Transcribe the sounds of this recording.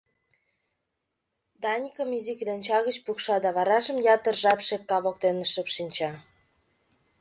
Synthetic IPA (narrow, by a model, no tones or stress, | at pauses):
d̪ɑnʲikəmizikd̪ent͡ɕɑɣə̆t͡ɕpukʃɑd̪ɑβɑɾɑʒə̆mjɑt̪ə̆rʒɑpʃekːɑβok̚t̪enəʃə̆pʃinʲt͡ɕɑ